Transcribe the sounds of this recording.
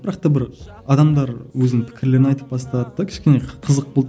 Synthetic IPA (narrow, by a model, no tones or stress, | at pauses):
b̥ɪɾɑq̚t̪ɑbɪɾɑd̪ɑmd̪ɑɾwɵzɪnɪŋpʰɪ̥kʲʰɪɾle̞ɾɪnɑjt̪ə̥p̚bɑst̪ɑd̪əd̪ɑkʲʰɪ̥ʃkʲe̞neqʰəzəq̚bolˠ